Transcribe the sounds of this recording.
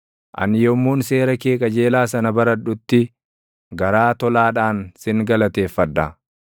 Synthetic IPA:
ʔɐ̰nɪjɔmːuːnse̞ːɾɐke̞ːkʼɐd͡ʒe̞ːlaːsɐnɐbɐɾɐᶑʊt̪ːɪ | ɡɐɾaːt̪ɔlaːᶑaːnsɪŋɡɐlɐt̪e̞ːfːɐᶑːɐ

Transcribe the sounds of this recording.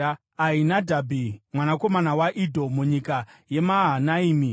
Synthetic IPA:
ainadʱabʱimwanako̞manawaʔidʱo̞muɲikaje̞maɦanaiːmi

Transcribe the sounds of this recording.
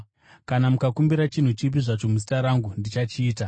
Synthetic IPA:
kanamukakumbiɾat͡ʃin̤ut͡ʃip̬iʐat͡ʃo̞musi̥taɾaŋɡundit͡ʃat͡ʃiːta

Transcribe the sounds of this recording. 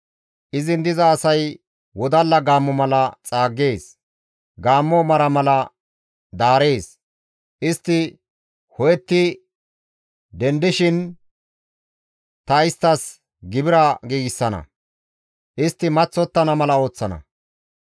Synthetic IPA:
ʔɪzɪnd̪ɪzɐːsɐj | wɔd̪ɐlːɐɡaːmːɔmɐlɐt͡sʼaːɡːe̞ːs | ɡaːmːɔmɐɾɐmɐlɐ | d̪aːɾe̞ːs | ʔɪst̪ːɪ | hɔjɛt̪ːɪ | d̪ɛnd̪ɪʃɪn | t̪ɐɪst̪ːɐs | ɡɪbɪɾɐɡiːɡɪsːɐnɐ̰ | ʔɪst̪ːɪmɐt͡sːɔt̪ːɐnɐmɐlɐo̞ːt͡sːɐnɐ̰

